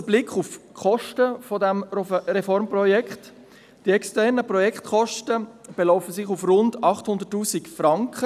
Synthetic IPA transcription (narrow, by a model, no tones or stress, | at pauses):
əblɪkχufkχɔʃtəfɔdɛmɾɛfɔɾmprɔjɛkχt | d̥iɛkstɛɾnəpɾɔjɛkχtχɔʃtəb̥ɛlɔʊfəsɪχufrʊndɑχthʊndətːuːsikfɾɑŋkχə